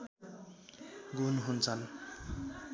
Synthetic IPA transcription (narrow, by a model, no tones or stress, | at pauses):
ɡunɦunt͡sʰʌn